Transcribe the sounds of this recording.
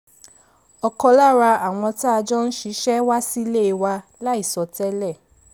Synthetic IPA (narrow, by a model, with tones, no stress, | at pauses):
ɔ˧kɔ˧la˦˨ɾa˧a˨w̃ɔ̃˧ta˦a˧d͡ʒɔ˦n̩˦ʃi˨˧˦ʃɛ˦wa˦si˦˧le˦˨i˨˧wa˧la˦i˦˨sɔ˨˦tɛ˦lɛ˦˨